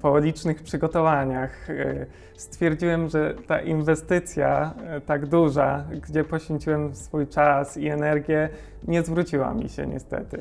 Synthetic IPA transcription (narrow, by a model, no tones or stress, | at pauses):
pɔlʲit͡ʂnɘxpʂɘɡɔt̪ɔvaɲax | st̪fʲjɛɾd͡ʑiwɛmʐɛt̪a̰ʔinvɛst̪ɘt̪sʲja̰t̪aɡd̪uʐaɡd͡ʑɛpɔɕfʲeɲt͡ɕiwɛmsfujt͡ʂasiɛnɛɾɡʲjɛ | ɲɛzvɾut͡ɕiwa̰mʲḭɕɛ̰ɲɛ̰st̪ɛ̰t̪ɘ